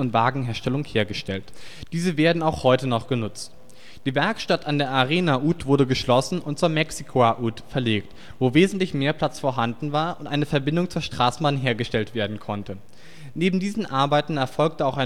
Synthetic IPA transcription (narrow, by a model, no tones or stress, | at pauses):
ʊntv̥aːɡŋ̩ɦeːɐʃtɛlʊŋheːɐɡəʃtɛltd̥iːzəveːɐdn̩aʊxhɔʏtənɔχɡ̥ənʊt͡st | d̥iːvɛɐkʃtatandeːɐʔaʁeːnaʔuːtv̥ʊɐdəɡəʃlɔsn̩ʊnt̚t͡suːɐmɛksikʰoaʔuːtfɛɐleːkt | voːveːzn̩tlɪçmeːɐpʰl̥at͡sfoːɐɦandn̩vaːɐʔʊntʔaɪnəfɛɐbɪndʊŋt͡suːɐʃtʁ̥aːsn̩banɦeːɐɡəʃtɛltv̥eːɐdn̩kʰɔntʰə | neːbm̩diːzn̩ʔaɐbaɪtn̩ɛɐfɔlk̚təaʊxʔaɪ